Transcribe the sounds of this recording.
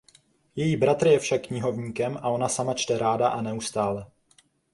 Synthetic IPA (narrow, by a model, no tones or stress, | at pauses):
jɛjiːbɾat̪r̩jɛfʃakːɲɪɦo̞vɲiːkɛmʔao̞nasamat͡ʃt̪ɛɾaːdaʔanɛust̪aːlɛ